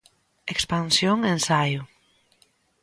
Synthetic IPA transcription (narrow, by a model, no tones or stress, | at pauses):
ekspansjoŋẽnsaju